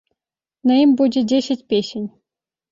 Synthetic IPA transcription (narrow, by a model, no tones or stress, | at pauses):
nɤ̆imʲbudʲĕdʲesʲɘ̆tʲpʲeɕʲɘ̆nʲ